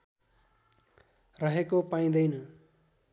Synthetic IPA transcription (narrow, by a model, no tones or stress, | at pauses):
rʌɦekopaĩd̪ʌjnʌ